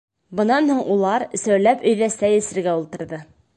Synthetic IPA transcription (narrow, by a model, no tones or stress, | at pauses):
bɤ̆nɑnhuɴʔulˠɑɾsæwlæpɵ̆jðæsæjɘ̆sɘ̆ɾɡæulˠt̪ɤ̆ɾðɤ